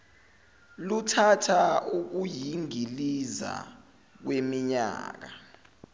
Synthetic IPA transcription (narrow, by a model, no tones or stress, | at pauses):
lutʰatʰauk̬ujiŋiliza̰ | k̬wemiɲa̰ːk̬a